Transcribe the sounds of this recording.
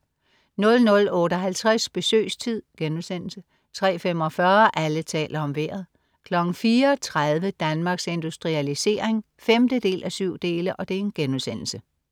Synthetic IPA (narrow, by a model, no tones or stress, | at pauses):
nɔ̽lnɔ̽lɔ̽ːɾəɦælt͡sʰʁasb̥e̝sø̰ːst͡sʰið̞̰ˠɡ̥enuðˠsen̰l̩sə | t͡sʰʁɛ̰ːfem̰ɒ̽fɶɐʔælət͡sʰɛ̰ːlɐɒ̽mʋeɐ̰ð̞̩ˠ | kʰlɒ̽ɡ̥ŋ̩fiːɐt͡sʰʁaðˠʋəd̥ænmɑ̈ːɡ̥se̝nd̥usd̥ʁiælise̝̰ːɐ̰eŋ | femd̥əd̥e̝̰ːlʔæsyʊ̰d̥e̝ːləʔɒ̽d̥e̝e̝nɡ̥enuðˠsen̰l̩sə